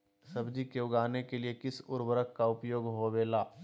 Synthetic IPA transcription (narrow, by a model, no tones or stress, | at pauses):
sɐbd͡ʒikeʊɡaːnekeliekɪsʊɾwəɾəkkːaʊpjoːɡɦoʋeːlaː